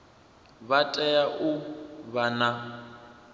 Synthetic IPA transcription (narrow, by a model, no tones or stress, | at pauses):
βatʼɛjaʔʊβana